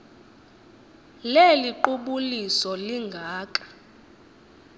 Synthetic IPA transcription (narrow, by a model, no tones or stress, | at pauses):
leliǃuɓulisɔliŋɡʱaːkʼḁ